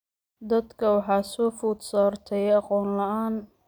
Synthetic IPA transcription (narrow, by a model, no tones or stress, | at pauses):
d̪ɐd̪kʰɐwɑħɑːsɔːfuːd̪sɔːrt̪ʰɛjɑqɔːnlɐʔaːn